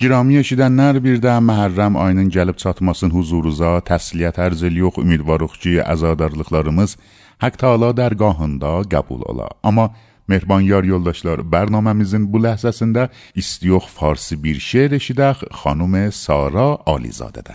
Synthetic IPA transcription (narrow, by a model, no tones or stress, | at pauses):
ɟiɾɑːmie̞ʃid̪ænːæɾbiɾd̪æmæɦæɾːæmɑ̰jnɯnɟælib̚t͡ʃʰɑt̪ʰmɑsɯnhuzuɾuzɑt̪ʰæslijæt̪ʰæɾziljoχy̰mid̪vɑɾoχcʰiæ̰zɑːd̪ɑɾlˠɯχlˠɑɾɯmɯz | hækt̪ʰɑːlˠɑd̪æɾɡɑːɦɯnd̪ɑɡæ̰bṵlˠɑ̰lˠɑ̰æmːɑ | me̞hɾbɑnjɑɾjo̞lˠd̪ɑʃlˠɑɾbæɾnɑːmæmizinbulæhzæsind̪æ | ist̪ijo̞χfɑɾsibiɾʃeɾeʃid̪æχχɑ̰numesɑːɾɑɒ̰lḭzɑ̰ːd̪æ̰d̪æ